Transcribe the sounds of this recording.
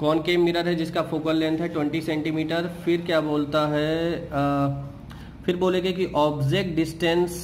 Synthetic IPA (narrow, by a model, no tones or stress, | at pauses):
kɔːnkeːmːiɾaɾɦɛd͡ʒɪskafoːkəlːɛ̃nt̪ʰɦɛʈwɛ̃ɳʈisɛ̃ːɳʈimiːʈəɾfɪɾkjaːboːlt̪aɦɛ | fɪɾboːlẽːɡekiʔɔːbd͡ʒeːk̚ʈ̚ɖɪsʈɛ̃ns